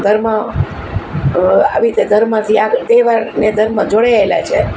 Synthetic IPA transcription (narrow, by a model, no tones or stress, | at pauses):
ɡ̪ʱəɾmã | a̰ʋiɾit̪eɡʱəɾmãt̪ʰiad̪eʋaɾneɡ̪ʱəɾmãd͡ʒoɽaela̰t͡ʃʰe